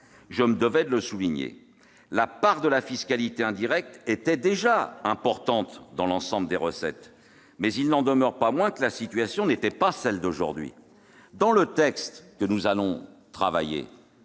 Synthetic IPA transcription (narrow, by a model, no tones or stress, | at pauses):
ʒəməd̪əvɛd̪ələsuliɲḛ | lapaʁd̪əlafiskalit̪eɛ̃d̪iʁɛk̚t̪ɛt̪ɛd̪eʒaɛ̃pɔʁt̪ɑ̃t̪d̪ɑ̃lɑ̃sɑ̃bləd̪eʁəsɛ̰t̪ | mɛzilnɑ̃d̪əmœʁpamwɛ̃kəlasit̪ɥasjɔ̃net̪ɛpasɛld̪oʒṵʁd̪ɥḭ | d̪ɑ̃lət̪ɛkst̪kənuzalɔ̃t̪χava̰jḛ